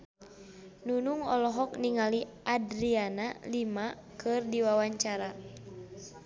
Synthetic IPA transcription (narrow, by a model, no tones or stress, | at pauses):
nunuŋɔlɔɦɔk̚niŋaliʔadɾianalima | kɨrdiwawaɲt͡ʃaɾa